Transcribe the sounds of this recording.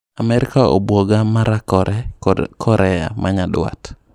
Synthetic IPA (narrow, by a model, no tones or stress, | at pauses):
amɛɾɪkao̰bwoɡamaɾakɔɛkʰɔɾɛja̰maɲadwa̰t